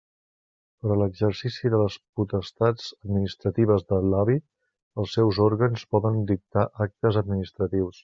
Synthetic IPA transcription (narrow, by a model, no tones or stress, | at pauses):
pəɾələɡzəɾsisiðələsput̪əst̪ad͡zəd̪minist̪ɾət̪iβəzðəlaβi | əlˠsːɛwzɔɾɣənspɔðənd̪ik̚t̪aʔak̚t̪əzəd̪minist̪ɾət̪iws